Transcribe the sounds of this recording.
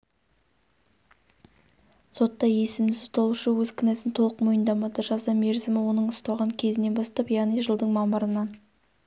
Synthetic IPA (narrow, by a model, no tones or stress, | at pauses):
so̞t̪ːɑje̞sɪmd̪ɪsʊ̥t̪ɑlˠuʃəwɵzkʲʰɪnesɪnt̪ʰo̞lˠəqmojənd̪ɑmɑd̪əʒɑzɑme̞ɾzɪmɪwo̞nəɴʊst̪ɑʁɑŋkʲʰe̞zɪne̞nbɑst̪ɑpjɑʁnijʒəlˠd̪əɴmɑmɑɾənɑn